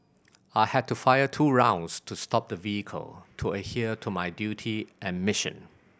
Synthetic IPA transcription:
aɪhɛd̚tufaɪətʰuːɹãʊ̃nstʰustʰɔp̚d̪əviəkʰə̰lˠtʰuəhiətʰumaɪdjutʰiʔɛ̃nmɪʃə̰̃n

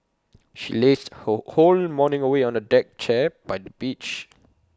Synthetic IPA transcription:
ʃḭlestholmɔnɪ̃ŋəweɔ̃nədɛk̚t͡ʃɛb̥aɪdəbit͡ʃ

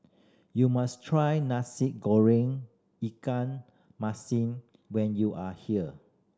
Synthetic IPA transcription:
jumastʰɹajnasit̚ɡɔɹĩŋ | ikãn | masĩn | wɛ̃njuʔahiə

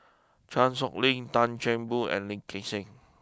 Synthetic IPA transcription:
t͡ʃãnsɔk̚lĩŋtãnt͡ʃɛ̃nbuɛ̰̃nlĩŋkesɪ̃ŋ

